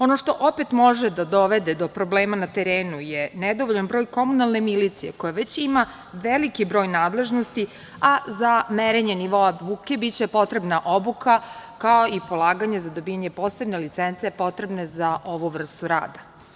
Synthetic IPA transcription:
o̞no̞ʂt̪o̞ʔopet̪mo̞ʒed̪ad̪oʋe̞d̪ed̪o̞pɾo̞bleːmanat̪e̞ɾeːnujened̪oʋoʎanbɾo̞ːjko̞munalˠne̞milit̪sijḛko̞jaʋe̞t͡ɕima | ʋelikibɾo̞ːjnaːd̪le̞ʒno̞st̪i | azameɾeɲe̞niʋo̞aʋuke̞bitt͡ɕe̞po̞t̪ɾe̞bnaʔo̞bukakaoipo̞lˠaːɡaɲezad̪o̞biːjaɲe̞po̞ːse̞bne̞lit̪sent̪siepo̞t̪ɾe̞bnezaʔo̞ʋuʋr̩st̪uɾa̰ːd̪a

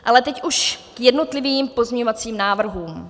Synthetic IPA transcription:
ʔalɛt̪ɛcʔuʃkjɛdno̞t̪lɪviːmpo̞zɲeɲovat͡siːmnaːvr̩ɦuːm

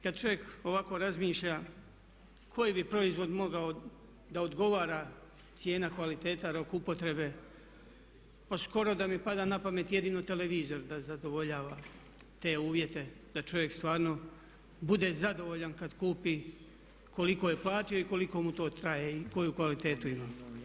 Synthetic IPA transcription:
kad̪̚t͡ʃo̞ʋje̞ko̞ʋako̞ɾazmiːʃʎa | kʰo̞jibipɾo̞izʋo̞d̪mo̞ɡao | d̪aod̪ɡo̞ʋaːɾa | t̪sje̞ːnakʋalit̪e̞ːt̪aɾo̞kupo̞t̪ɾe̞be̞ | pasko̞ɾo̞d̪amipad̪aːnapame̞t̪je̞d̪iːnot̪e̞le̞ʋiːzo̞ɾd̪azad̪o̞ʋo̞ʎaːʋa | t̪e̞ːuːʋje̞t̪e̞ | d̪̥at͡ʃo̞ʋje̞kst̪ʋaːɾno̞ | bud̪e̞zad̪o̞ʋo̞ʎankad̪kuːpiː | ko̞liko̞je̞plˠaːt̪ijo̞iko̞liko̞mut̪o̞ːt̪ɾajeiko̞jukʋalit̪e̞ːt̪uimaː

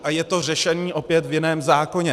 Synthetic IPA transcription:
ʔajɛt̪o̞r̝ɛʃɛniːʔo̞pjɛt̪vjɪnɛːmzaːko̞ɲɛ

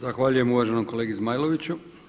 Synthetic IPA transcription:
zaxʋaːʎuje̞muʋaʒenomko̞le̞ːɡizmaːjlo̞ʋit͡ɕu

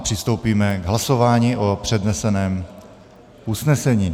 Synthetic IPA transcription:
pr̥ɪst̪owpiːmɛɡɦlaso̞vaːɲiːʔopr̥ɛdnɛsɛnɛːm | ʔusnɛsɛɲiː

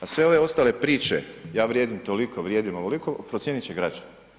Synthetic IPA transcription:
asʋe̞o̞ʋe̞o̞st̪ale̞pɾiːt͡ʃe̞̰jaːʋɾje̞ːd̪imt̪o̞likʰoʋɾjeːd̪imoʋoliko̞pɾotsjenit͡ɕeɡɾad͡ʒana

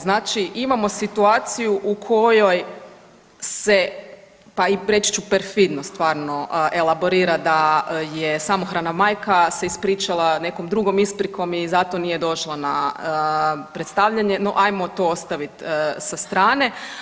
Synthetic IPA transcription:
znaːt͡ʃiʔimamo̞sit̪uaːt̪sijuʔukʰo̞jo̞j | se | paiɾe̞t͡ʃi̥t͡ʃupeɾfid̪no̞st̪ʋaːɾno̞ʔe̞lˠabo̞ɾiːɾad̪ajesamo̞xɾanamajkase̞ispɾiːt͡ʃalˠane̞ko̞md̪ɾuɡo̞mispɾikʰo̞mizat̪o̞nije̞d̪o̞ʃlˠanaəpɾet̪st̪aʋʎaɲe̞no̞̰ʔajmot̪oost̪aʋit̪sast̪ɾaːne̞

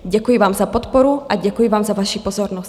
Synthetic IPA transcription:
ɟɛkujivaːmzapot̪pɔɾuʔaɟɛkujivaːmzavaʃipozɔɾnɔs

